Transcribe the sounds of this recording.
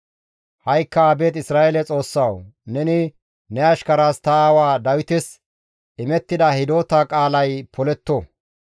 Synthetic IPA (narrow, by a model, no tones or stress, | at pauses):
hɐjkːɐaːbe̞ːt̪ɪsɾaːelɛt͡sʼo̞ːsːɐwnɛnɪ | nɛɐʃkɐɾaːst̪awaːd̪ɐwɪt̪ɪs | ʔɪmɛt̪ːɪd̪ɐhɪd̪o̞ːt̪akʼaːlɐjpʰɔlɛt̪ːo